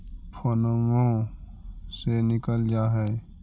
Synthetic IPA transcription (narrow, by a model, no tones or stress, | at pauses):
pʰoːnomõ | senɪkəld͡ʒaːɦɛ